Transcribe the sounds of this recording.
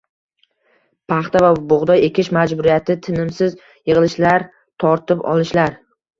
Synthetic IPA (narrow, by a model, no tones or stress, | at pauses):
pʰaχt̪avabʊʁd̪ɒjekʲɪʃmad͡ʒbʊɾijat̪ʰɪt̪ʰɪnɪmsɪz | jɨʁɨlɪʃlaɾ | t̪ʰɒɾt̪ɪpɒ̰lˠɪʃlaɾ